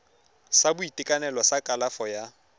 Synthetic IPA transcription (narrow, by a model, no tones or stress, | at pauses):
sabʊitʼɪkʼanɛlwɔsakʼalafɔja